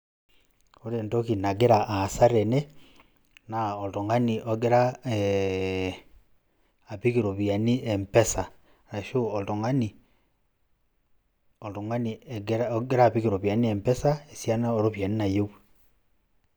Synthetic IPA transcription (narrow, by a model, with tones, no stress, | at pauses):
o˦ɾe˨nto˦ki˨na˨ɡe˦ɾa˨ʔa˨sa˦ɾe˨ne˦ | na˨o˨to˨ŋa˦ni˨ʔo˨ɡe˦ɾa˦ | a˨pi˦ke˨ɾo˨βja˨ni˦e˨mpɛ˦sa˨ | ɾa˨ʃo˦o˨to˨ŋa˦ni˨ | o˨to˨ŋa˦ni˨ɡɡe˦ɾa˦pike˨ɾo˨βja˨ni˦e˨mpɛ˦sa˦e˨sja˦na˦o˨ɾo˦βja˨ni˦na˨jo˦w